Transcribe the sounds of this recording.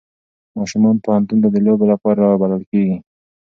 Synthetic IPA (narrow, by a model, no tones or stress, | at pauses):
mɑʃumɑnpohant̪unt̪̬ad̪əlobelapɑɾabalalkeɡi